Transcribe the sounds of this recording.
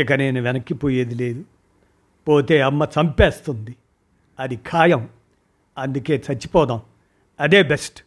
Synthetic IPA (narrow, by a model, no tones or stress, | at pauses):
ɐkɐneːnuʋɛnɐkːipoːjeːd̪ileːd̪u | poːt̪eːɐmːɐt͡ʃɐmpeːst̪und̪i | ɐd̪ikʰaːjɐm | ɐnd̪uke̞ːt͡ʃɐt͡ʃːi̥pɔːd̪aːm | ɐd̪eːbesʈ